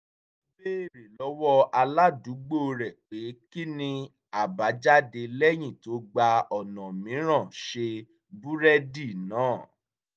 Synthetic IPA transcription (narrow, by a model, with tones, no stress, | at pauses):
be˦˨ɾi˨lɔ˨˦wɔ˦a˧la˦du˨˦ɡ͡bo˦˧ɾɛ˨k͡pe˨˦ki˦nĩ˧ | a˨ba˨˦d͡ʒa˦de˧lɛ˦j̃ĩ˦˨to˨˦ɡ͡ba˧ɔ˨nã˨mĩ˨˦ɾ̃ã˦˨ʃe˧ | bu˦ɾɛ˦di˦˨nãː˨˦˨